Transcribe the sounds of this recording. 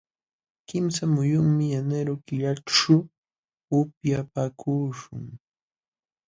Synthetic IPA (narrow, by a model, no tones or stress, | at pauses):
kɪmsamʊjʊŋmɪjanaɾokɪʎaʈ͡ʂʊː | pjapakʰuːʃʊ̰ŋ